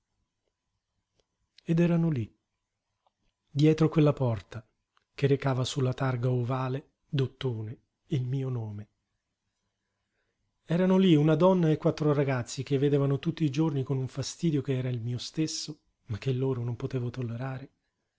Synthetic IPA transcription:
ed̪ɛːɾanoli | d̪jɛːt̪ɾokwelːapɔrt̪a | k̟eɾekaːvasulːat̪arɡaovaːle | d̪ot̪ːoːne | ilmiːonoːme | ɛːɾanoliunad̪ɔnːaekːwat̪ːɾoɾaɡat̪sːik̟evːed̪eːvanot̪ut̪ːiːd͡ʒornikonuɱfast̪iːd̪jokeɛːɾailmiːost̪esːo | mak̟ːelːoːɾonompot̪eːvot̪olːeɾaːɾe

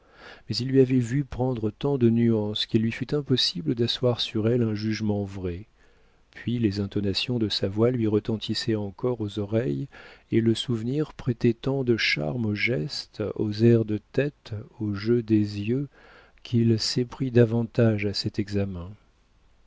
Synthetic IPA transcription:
mɛzilːɥiavɛvypχɑ̃d̪ʁət̪ɑ̃d̪ənyɑ̃skilːɥifyt̪ɛ̃pɔsibləd̪aswaʁsyʁɛlɛ̃ʒyʒmɑ̃vʁɛ | pɥilezɛ̃t̪ɔnasjɔ̃d̪əsavwalɥiʁət̪ɑ̃t̪ʰisɛɑ̃kɔʁozɔʁɛjeləsuvniʁpχɛt̪ɛt̪ɑ̃d̪əʃa̰ʁmoʒɛst̪ozɛʁd̪ət̪ɛt̪oʒød̪ezjø | kʲʰilsɛpχid̪avɑ̃t̪aʒasɛt̪ɛɡzamɛ̃

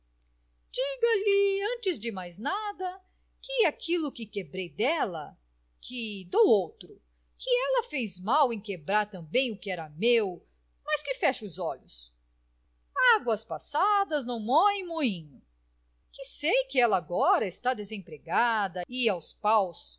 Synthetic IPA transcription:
d͡ʒiɡɐlɪɐ̃t͡ʃɪzd͡ʒɪmajznad̪ɐ | kɪakʰilʊkɪkebɾejd̪ɛlɐ̰ | kʰɪd̪owowt̪ɾʊ | kɪɛlɐfejzmawẽj̃kebɾaɾt̪ɐ̃mbẽj̃ʊkɪɛɾɐmew | mɐskɪfɛʃʊzɔʎʊs | aɡwɐspasad̪ɐznɐ̃w̃mɔẽj̃mũɲʊ | kɪsejkɪɛlɐaɡɔɾɐɪst̪ad̪ezẽpɾeɡad̪ɐɪawspaws

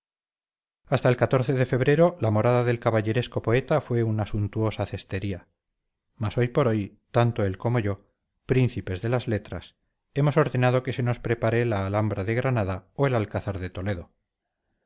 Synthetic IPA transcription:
ast̪aelkat̪o̞ɾθeðe̞fe̞βɾe̞ɾo̞lamo̞ɾaðaðe̞lkaβaʝe̞ɾesko̞po̞e̞t̪afwe̞unasunt̪uo̞saθe̞st̪e̞ɾia | maso̞jpo̞ɾo̞j | t̪ant̪oe̞lko̞mo̞ʝo̞ | pɾin̟θipe̞zðe̞lazle̞t̪ɾa̰s | e̞mo̞so̞ɾðe̞nað̞o̞ke̞se̞no̞spɾe̞paɾelaːlambɾaðe̞ɣɾanaðaoe̞lalkaθaɾðe̞t̪o̞le̞ðo̞

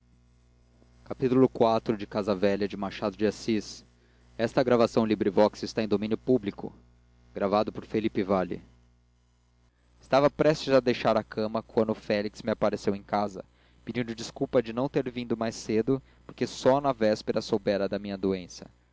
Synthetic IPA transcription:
kapit̪ulʊkwat̪ɾʊd͡ʒɪkazɐvɛʎɐd͡ʒɪmaʃad̪ʊd͡ʒiasis | ɛst̪ɐɡɾavasɐ̃w̃libɾivɔksɪst̪aẽj̃d̪omĩnjʊpublikʊ̰ | ɡɾavad̪ʊpoɾfelipɪvalɪ̰ | ɪst̪avɐpɾɛst͡ʃɪzɐd̪ejʃaɾɐkʰɐ̃mɐkwɐ̃nd̪ʊfɛliksmɪapaɾesewẽj̃kazɐ̰ | pid͡ʒĩnd̪ʊd͡ʒiskuwpɐd͡ʒɪnɐ̃w̃t̪eɾvĩd̪ʊmajsed̪ʊ | poɾkesɔnɐvɛspeɾɐsowbɛɾɐd̪ɐmĩɲɐd̪oẽsɐ̥

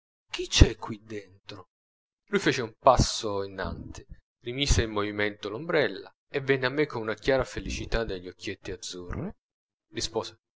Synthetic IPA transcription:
k̟it͡ʃɛkʰːwid̪ent̪ɾo | lujfeːt͡ʃeumpasːoinːa̰nt̪ʰɪ̥ | rimiːseilmːovimɛnt̪olombɾɛlːa̰ | evːɛnːeamːekːonunakjaːɾafelit͡ʃit̪ad̪ːeʎːiokʰːjet̪ːiad̪zːurːi | rispɔːse

